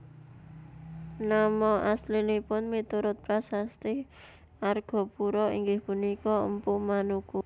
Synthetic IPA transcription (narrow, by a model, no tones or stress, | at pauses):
namɔʔaslinipʊnmit̪uɾʊt̪̚pɾasast̪ɪh | ʔarɡ̥ɔ̤puɾɔiŋɡɪhpunikɔəmpʊʔmanuku